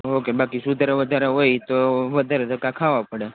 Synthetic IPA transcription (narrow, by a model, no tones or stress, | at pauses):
okebakisud̪ɾeʋəd̪ʱaɾeɦojt̪oʋəd̪ʱaɾet̪okãkʰaʋapəɽe